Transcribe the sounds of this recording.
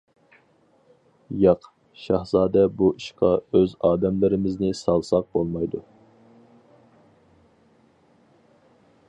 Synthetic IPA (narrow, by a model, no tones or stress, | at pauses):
jɑq | ʃɑhzɑːd̪ɛbuiʃqɑøzɑːd̪ɛmlɪɾɪmɪznɪsɑlˠsɑq̚bolˠmɑjd̪u